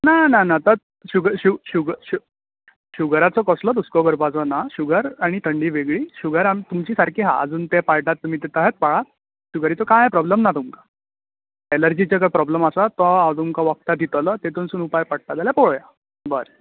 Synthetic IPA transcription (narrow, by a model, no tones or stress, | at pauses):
nananat̪əɾ | ɕuɡɾɕuɕuɡɕu | ɕuɡɾat͡sɔkɔslɔd̪uskɔɡəɾpat͡sɔnaɕuɡəɾaɽ̃it̪ʰəɳɖiːʋeɡɭiːɕuɡəɾamt̪umt͡ɕiːsaɾkʰiːɦa̰ə̰d͡zuːnt̪epajʈat̪ːum̤iːt̪et̪əɦet̪̚paɭa | ɕuɡəɾit͡sɔkãɦepɾɔbləmnat̪umka | eləɾd͡ʑit͡ɕakəpɾɔbləmasat̪ɔat̪umkaʋək̚t̪ad̪ʱit̪lət̪et̪unsuːnupajpaɽ̚t̪ad̪aljapɔɭja | bəɾ